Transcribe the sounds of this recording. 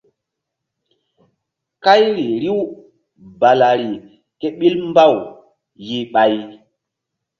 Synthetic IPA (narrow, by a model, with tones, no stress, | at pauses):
ka˦jɾi˨ɾi˦w | ba˨la˨ɾi˨ | ke˦ɓi˦lm˦ba˦˨w | ji˨ɓa˨j